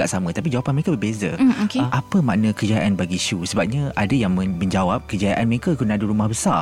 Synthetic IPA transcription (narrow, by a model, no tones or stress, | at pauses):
aʔsamə̃t̪apid͡ʒawapanməɾekabəbeza̰okəmʔapəmaʔnə̃kəd͡ʒaʔanbaɡiʃusəbap̚ɲaadajaŋməməɲd͡ʒawap̚kəd͡ʒajaʔanməɾekakunaadəɾumahbəsa̰